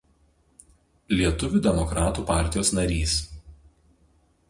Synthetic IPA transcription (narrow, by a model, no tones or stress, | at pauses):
lʲiɛt̪ʊʋʲuːd̪ʲɛmɔkɾɑːt̪uːpɑˑɾʲt̪ʲɪjoːsnɐɾʲiːs